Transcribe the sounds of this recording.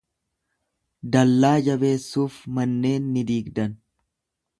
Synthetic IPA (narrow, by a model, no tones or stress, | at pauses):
d̪ɐlːaːd͡ʒɐbe̞ːsːuːfmɐnːe̞ːnːɪd̪iːɡd̪ɐn